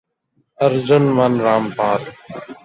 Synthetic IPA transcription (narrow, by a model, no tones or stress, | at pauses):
əɾd͡ʒʊnʋanɾaːmpaːɾ